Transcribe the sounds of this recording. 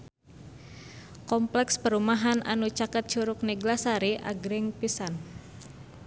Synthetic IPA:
kɔmplɛkspəɾumaɦanʔa̰nut͡ʃakət̪̚t͡ʃuɾʊk̚niɡlasaɾiʔa̰ɡɾɪŋpisan

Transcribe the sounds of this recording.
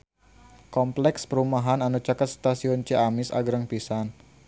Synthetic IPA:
kɔmplɛkspəɾumaɦananut͡ʃakat̪st̪asiɔnt͡ʃeamɪsa̰ɡɾəŋpisan

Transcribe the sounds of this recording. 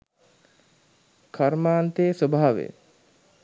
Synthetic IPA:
kʰaɾmaːnt̪esobʱaːʋḛ

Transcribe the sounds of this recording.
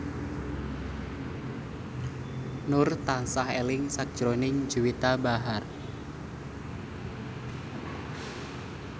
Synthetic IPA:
nʊrt̪ansahelɪŋsak̚ʒ̥ɾonɪŋd͡ʒuwit̪abaɦar

